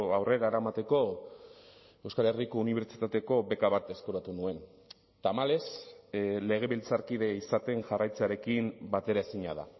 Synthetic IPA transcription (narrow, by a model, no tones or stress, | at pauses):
awre̞ɾaeɾaemat̪e̞ko̞ | ewskale̞riko̞uniβ̞e̞ɾt͡si̥t̪at̪e̞ko̞βe̞kaβat̪e̞skoɾat̪unue̞n | t̪amale̞s | le̞ɣ̞e̞βilt͡saɾkiðe̞isat̪e̞ŋʝarajt͡seaɾe̞kimbat̪e̞ɾae̞siɲa̰ða̰